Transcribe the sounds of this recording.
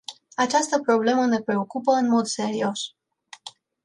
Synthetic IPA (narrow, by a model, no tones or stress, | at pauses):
at͡ʃast̪əpɾo̞ble̞məne̞pɾe̞o̞kupəɨnmo̞d̪se̞ɾio̞s